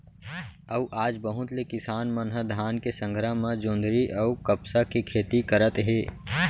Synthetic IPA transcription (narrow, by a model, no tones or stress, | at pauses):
əwʔaːd͡ʒbəɦʊ̃t̪lekɪsaːnmɐnɦəd̪ʱaːnkesə̃ŋɡʱɾəɦmãd͡ʒõːnd̪ʱɾiʔɐukəpsakikʰeːt̪ikəɾət̪ɦeː